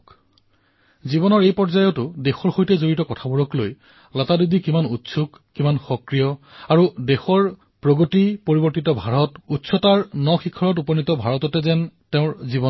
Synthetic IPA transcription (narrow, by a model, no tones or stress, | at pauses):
zibɔnɔɹejpɔɹzajɔtʊdexɔɹxojtɛzoɹitɔkɔtʰabɔɹɔkloj | latadudikimanutsʰukːimanxɔkɹijɔaɹudexɔɹ | pɹoɡotipoɹibɔɹtitɔbʱaɹɔtutsʰɔtaɹnɔxikʰɔɹɔtupɔnitɔbʱaɹɔtɔtɛzɛntɛʊ̃ɹzibɔ